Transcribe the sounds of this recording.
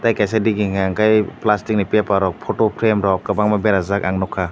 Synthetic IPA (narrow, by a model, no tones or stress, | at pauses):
tajkajsadiɡiŋaŋkajplastik̚nipiapaɾɔk̚pʰotopʰɾemɾɔkkabaŋmabeɾazakaŋnɔkʰa